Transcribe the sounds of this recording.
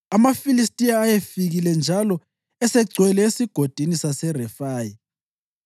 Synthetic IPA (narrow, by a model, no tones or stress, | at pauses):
amafilistʼiaːjefiɣilɛnd͡ʒʱalɔ | ɛsɛɡ͡ǀʱwɛlɛesiɡ̥ʱod̥ʱinisasɛrɛfaːji